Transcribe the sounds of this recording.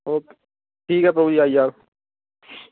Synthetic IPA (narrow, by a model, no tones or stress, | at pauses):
oːke | ʈʰiːkɦɛp̬ɾɐbʱud͡ʒiaːijaː